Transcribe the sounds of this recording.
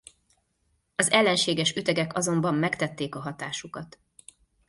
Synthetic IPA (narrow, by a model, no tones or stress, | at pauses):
ɒzɛlːɛnʃeːɡɛʃyt̪ɛɡɛkɒzo̞mbɒmːɛkt̪ɛt̪ːeːkɒɦɒt̪aːʃukɒt̪